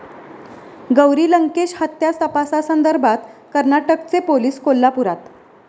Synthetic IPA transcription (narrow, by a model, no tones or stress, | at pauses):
ɡəwɾiːləŋkeɕhət̪jast̪əpasasənd̪əɾbʱat̪kəɾnaʈəkt͡sepoliːskolːapuɾat̪